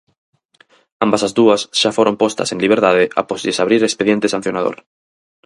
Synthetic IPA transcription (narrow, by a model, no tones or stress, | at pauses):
ambasazðuɐsʃafoɾompost̪a̰sẽŋliβ̞eɾt̪aðeʔa̰posðesaβ̞ɾiɾespeðjẽnt̪esãn̟θjonaðo̰ɾ